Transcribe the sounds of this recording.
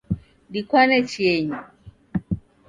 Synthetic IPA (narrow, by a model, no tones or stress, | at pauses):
dikwanɛt͡ʃiɛɲi